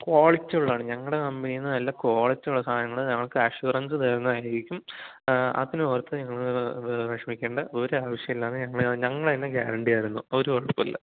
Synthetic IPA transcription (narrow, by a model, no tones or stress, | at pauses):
ko̞ːɭɐt͡ɕːuɭːaːɳɨɲɐŋːɐɭɽe̞kɐmbinijunːɐnɐlːɐko̞ːɭɐt͡ɕːɐuɭːɐsʰaːnɐŋːɐɭɲɐŋːɐɭkɨɐɕuːrɐnsɨt̪eːɾnːɐðaːjiɾikʲːum | ɐ̰t̪ːineoːrt̪ːɨɲɐŋːɐɭʋɐʂɐmikʲːe̞ːɳɖɐoɾeaːʋɐʂjɐmilːaːɳɨɲɐŋːɐɭɲɐŋːɐɭɐnːeɡaːɾɐɳɖijaːjiɾunːuoɾuʋɐɭɐpːɐlːɐ̰